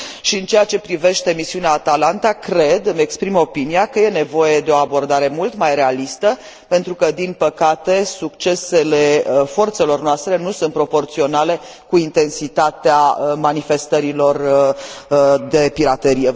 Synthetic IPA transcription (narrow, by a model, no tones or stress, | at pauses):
ʃiɨnt͡ʃe̞jat͡ʃe̞pɾive̞ʃt̪e̞misiuneaːt̪alant̪akɾe̞d̪ɨme̞kspɾimo̞pinijakəje̞ne̞vo̞je̞d̪e̞o̞abo̞rd̪aɾe̞mult̪majɾe̞alist̪ə | pe̞nt̪ɾukəd̪inpəkat̪e̞sukt͡ʃe̞se̞le̞fo̞rt̪se̞lo̞rnoast̪ɾe̞nusunt̪pɾo̞po̞rt̪sio̞nale̞ | kuint̪e̞nsit̪at̪eamanife̞st̪əɾilo̞r | d̪e̞piɾat̪e̞ɾije